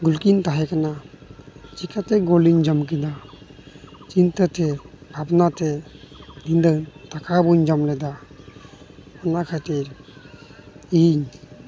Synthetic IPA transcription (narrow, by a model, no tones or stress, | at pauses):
ɡulkint̪aɦɛkana | t͡ʃikat̪ɛɡoliɲd͡ʒɔmk̬ɛd̪a | t͡ʃint̪ət̪ɛbʱabnat̪ɛ | d̪ind̪ət̪akabuɲd͡ʒɔmlɛd̪a | ɔnakʰat̪iɾ | iɲ